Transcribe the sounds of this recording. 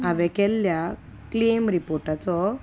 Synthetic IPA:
aʋɛkɛlːja | klemɾipoɾʈat͡sɔ

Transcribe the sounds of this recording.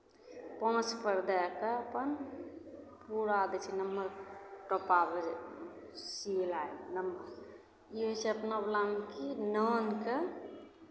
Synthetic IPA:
pɔ̃t͡ʃpəɾd̪akeəpən | puɾad̪ɛt͡ʃʰɛnəmbəɾʈɔpabe | silajlnəmbəɾ | iɦət͡ʃʰeəpnablamkinənke

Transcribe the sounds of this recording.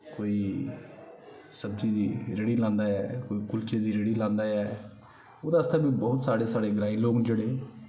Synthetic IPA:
koːiː | səbziːd̪iːɾeɽiːlãːnd̪aːɛːkoːiːkʊlt͡ʃeːd̪iːɾeːɽiːlãːnd̪aːjɛː | oːd̪aːəst̪aːbiːbɔːʊt̪saːɽeːsaːɽeːɡɾaːiloːɡnd͡ʒeːɽeː

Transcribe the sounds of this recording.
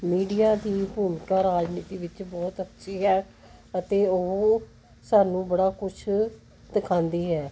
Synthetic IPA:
miːɖijaːd̪iːbʱuːmkaːɾaːd͡ʒniːt̪iːʋɪt͡ʃbɔːt̪ətːʃʰiːɦɛː | ət̪eːoɦ | saːnũːbəɽaːkʊt͡ʃʰ | d̪̥ɪkʰãːnd̪iːɦɛː

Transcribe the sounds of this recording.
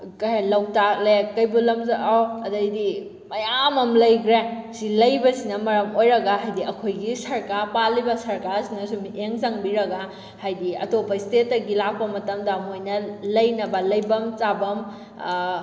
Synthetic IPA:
kɐɦajlɐwtalekːɐjbulɐmzɐʔawɐdɐjdi | mɐjamɐmlɐjɡɾesilɐjbɐsinɐmɐɾɐmojɾɐɡɐɦajdiɐkʰojɡisɐɾkaɾpalibɐsɐɾkaɾsinɐsumiʔeŋzaŋbiɾɐɡɐ | hajdiɐ̰topɐistetːɐɡilak̚pɐmɐtɐmdɐmojnɐlɐjnɐbɐlɐjbɐmt͡ʃabɐm

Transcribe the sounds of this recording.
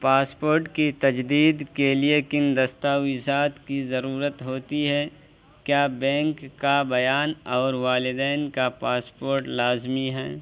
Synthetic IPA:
paːspoːɾʈkit̪ɐd͡ʒd̪iːd̪keliekɪnd̪ɐst̪aɪsaːt̪kizɐɾuːɾət̪ɦoːt̪iɦɛ | kjaːbɛ̃ːŋkːabɐjaːnɔːɾʋaːlɪd̪ɛːnkapaːspoːɾʈlaːzmiɦɛː

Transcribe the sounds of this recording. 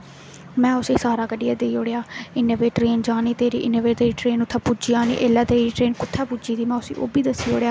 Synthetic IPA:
mɛ̃ːʊseːsaːɾaːkəɖɪjaːd̪eːioːɽejaːɪnoːʋeːʈɾeːnd͡ʒaːniːt̪eːɾḭːʔɪnoːʋeːt̪eːiːʈɾeːnʊt̪ʰːaːpʊd͡ʒiːaːnḭːʔeːlaːt̪eːiːʈɾeːnkʊt̪ʰːaːpʊd͡ʒiːt̪iːmɛ̃ːʊsḭːʔo̰ːbiːd̪əsːiːo̰ːɽejaː

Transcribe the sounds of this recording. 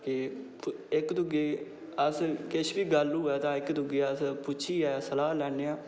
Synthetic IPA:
kɪ | ɪkd̪ʊɡeː | əskɪʃbiːɡəlɦʊːɛːt̪ãːɪkd̪ʊɡeːəspʊːt͡ʃʰiːɛːsəlaːlɛːneːãː

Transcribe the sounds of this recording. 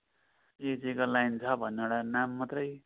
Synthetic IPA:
ed͡zikolajnt͡sʰʌbʱʌnːeeɽanamːat̪rʌj

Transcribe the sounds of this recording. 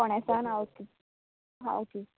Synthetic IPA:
ɔɳ̃ɛsanawt̪i | ɦa̰wt̪i

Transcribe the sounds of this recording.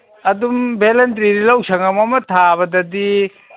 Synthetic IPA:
ɐdumbʱelentɾiɾilawsʰɐŋamamɐtʰaβɐdɐdi

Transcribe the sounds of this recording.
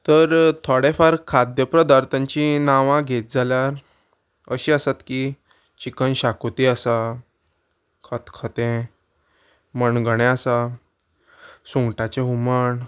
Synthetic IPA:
t̪əɾt̪ʰɔɽefaɾkʰad̪jəpɾəd̪aɾt̪ʰãɲt͡ɕĩnaʋãɡʱet̪̚d͡zʱaljaɾ | əɕiːəsat̪ki | t͡ɕikənɕakut̪iasa | kʰət̪kʰət̪ẽ | məɳɡəɽ̃ẽasa | sũŋɡʈat͡ɕeɦuməɳ

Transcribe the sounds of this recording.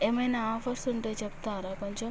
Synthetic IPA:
eːmɐjnaaːfʰɐɾsuɳʈeːt͡ʃɛp̚t̪aːɾaːkoɲt͡ʃom

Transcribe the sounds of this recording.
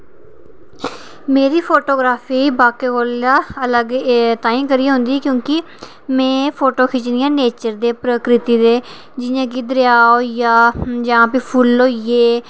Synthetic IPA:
meːɾiːpʰoːʈoːɡɾaːfiːbaːkeːkoːlaːələɡt̪ãːĩːkəɾiːɦʊ̃nd̪iːɛːkjõːkɪ | mɛ̃ːpʰoːʈoːkʰɪt͡ʃnijãːneːt͡ʃəɾd̪eːpɾəkɾɪt̪iːd̪eː | d͡ʒɪjãːkiːd̪əɾjaːoːjaːd͡ʒəãːpipʰʊlːoːjeː

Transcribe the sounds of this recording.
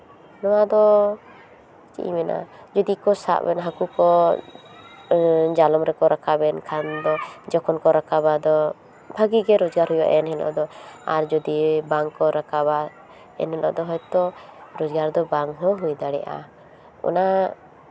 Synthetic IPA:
nɔwad̪ɔ | t͡ʃḭmɛnʔa̰d͡ʒɔd̪ikɔsa̰ʔbɛ̰nɦakukɔ | d͡ʒalɔmɾɛkɔɾakabɛnkʰand̪ɔd͡ʒɔkʰɔnkɔɾakabad̪ɔ | bʱaɡiɡɛɾɔd͡ʒɡaɾhɔjɔʔɛnɦɛnɔ̰ʔd̪ɔa̰ɾd͡ʒɔd̪ibaŋkɔɾakaba | ɛ̰nɦɛnɔ̰ʔd̪ɔɦɔjt̪ɔɾɔd͡ʒɡaɾd̪ɔbaŋɦɔɦujd̪aɽɛ̰ʔa̰ | ɔ̰na

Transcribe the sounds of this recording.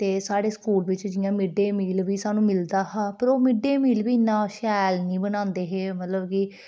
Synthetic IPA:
t̪eːsaːɽeːskuːlʋɪt͡ʃd͡ʒɪjãːmɪɖeːmiːlʋiːsaːnũːmɪld̪aːɦãːpəɾoːmɪɖeːmiːlʋiːnːãːʃɛːlnĩːbənãːnd̪eːɦeːmət̪ləbkɪ

